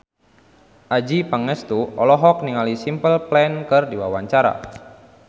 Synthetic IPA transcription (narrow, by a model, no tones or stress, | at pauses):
ʔad͡ʒipaŋɛst̪uɔlɔɦɔk̚niŋalisimpəlplɛnkɨrdiwawaɲt͡ʃaɾa̰